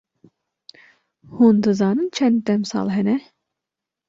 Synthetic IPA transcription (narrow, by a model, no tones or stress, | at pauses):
hond̪ɯzɑːnɯnt͡ʃʰɛnd̪d̪ɛmsɑ̰ːlˠɦɛnɛ